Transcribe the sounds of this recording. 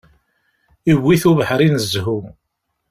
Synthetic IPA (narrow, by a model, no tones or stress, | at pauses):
iwːiθuvəħɾˤinəzɦu